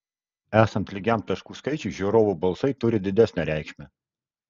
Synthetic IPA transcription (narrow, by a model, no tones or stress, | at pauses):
æːsɐnt̪lʲɪɡʲæˑmt̪ɐʃkuːskɐɪt͡ʃʲʊːˑʒʲuɾoːʋuːˑbɐlˠsɐɪt̪ʊɾʲɪd̪ʲɪd̪ʲæsʲnʲæɾʲæˑɪkʃʲmʲɛ